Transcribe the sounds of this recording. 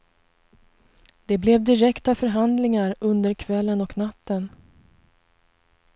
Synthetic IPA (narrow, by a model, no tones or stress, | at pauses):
d̪̥ɛblɛvd̪ɪɾɛkt̪afœɾɦand̪lɪŋaɾɵnd̪əɾkʰvɛlːənɔknat̪ːən